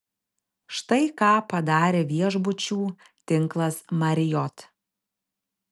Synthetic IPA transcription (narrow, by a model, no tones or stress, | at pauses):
ʃt̪ɐɪkɑːpɐd̪ɑːɾʲeːʋʲiɛʒbʊt͡ʃʲuː | t̪ʲɪŋˑklˠɐsmɐɾʲɪjɔt̪